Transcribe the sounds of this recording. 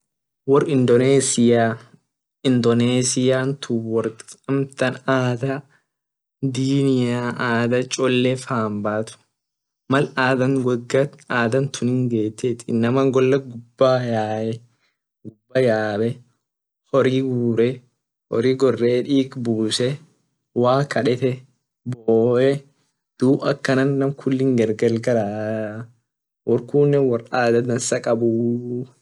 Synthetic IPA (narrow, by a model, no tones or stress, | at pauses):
wɔrɪnd̪ɔneːsɪjaː | ɪnd̪ɔneːsɪjaːnt̪ʰʊwɔɾɐmt̪ɐnaːd̪ɐ | d̪iːnɪjaʔaːd̪ɐt͡ʃʼɔlːɛfaːmbaːt̪ʊ̥ | mɐlaːd̪ɐnɡɐɡːɐaːd̪ɐnt̪ʰʊnɪŋɡeːt̪ːɛːt̪ɪnːɐmɐŋɡɔlːɐɡʊbːaːjaːʔɛ | ɡʊbːɐjaːbɛ | hɔɾiːɡuːɾɛ | hɔ̰ɾiːɡɔrːeːᶑiːkbuːsɛ | waːkɐᶑɛt̪ɛ | boːʔɛ | d̪̥uːbɐkːɐnɐnːɐmkʰʊlːɪŋɡɐɾɡɐlɡɐɾaː | wɔɾkuːnːɛwɐraːd̪ɐd̪ɐnsɐkʼɐbu